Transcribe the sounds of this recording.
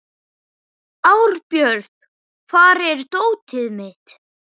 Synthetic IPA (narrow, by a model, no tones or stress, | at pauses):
awɾpjœɾt̪ | kʰvaːɾɛɾt̪oːwt̪ʰɪðmɪt̪